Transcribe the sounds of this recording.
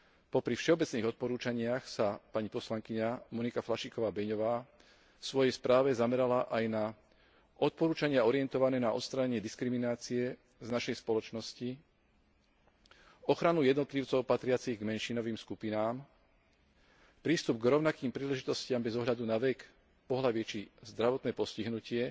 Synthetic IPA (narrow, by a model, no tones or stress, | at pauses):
pɔpɾifʃɛɔbɛt͡sniːɣɔt̪̚pɔɾuːt͡ʃaɲɪaxsapaɲipɔslaŋkiɲamɔnikaflaʃiːkɔʋaːbɛɲɔʋaː | fsʋɔjɛjspɾaːʋɛzamɛɾalaʔajna | ʔɔt̪̚pɔɾuːt͡ʃaɲɪaɔɾiɛnt̪ɔʋanɛːnaɔ̰t̪st̪ɾaɲɛɲɪɛd̪iskɾiminaːt͡siɛ | znaʃɛjspɔlɔt͡ʃnɔsci | ɔxɾanujɛd̪nɔt̪liʊt͡sɔʊpat̪ɾɪat͡siɣɡmɛnʃinɔʋiːmskupinaːm | pɾiːst̪ub̚ɡɾɔʊnakiːmpɾiːlɛʒit̪ɔscɪambɛzɔɦʎad̪unaʋɛk | pɔɦlaʋɪɛt͡ʃizd̪ɾaʋɔt̪nɛːpɔsciɦnucɪɛ